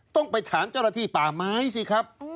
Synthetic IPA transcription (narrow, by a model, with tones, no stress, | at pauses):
t̪ɔ˥˩ŋpa˧jt̪ʰaː˩˦nt͡ɕaː˥˩˨na˧iː˥˩paː˨˩maː˦˥jsi˧˩kʰa˦˥p̚